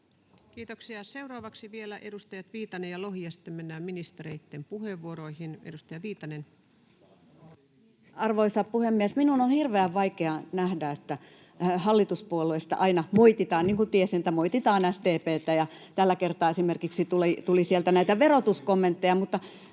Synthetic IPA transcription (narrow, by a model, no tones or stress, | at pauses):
kiːt̪oksiɑsewɾɑːʋɑksiʋielæʔedust̪ɑjɑt̪ʋiːt̪ɑnejjɑlohiɑst̪ːemmenːæːmminist̪eɾeit̪ːempuheʋːuoɾoihinedust̪ɑjɑʋiːt̪ɑnen | ɑrʋoisɑppuhemːiesminunonhirʋeæʋʋɑikeɑnæhdæet̪ːæ | hɑlːit̪uspuolːuist̪ɑ̰ʔɑinɑmoit̪it̪ɑːnniːŋkut̪iesinet̪ːæmoit̪it̪ɑːnæst̪eːpeːt̪ːæjɑt̪ælːækert̪ɑːesimerkiksit̪ulit̪ulisielt̪ænæit̪æʋerot̪uskomːent̪ːejɑmut̪ːɑ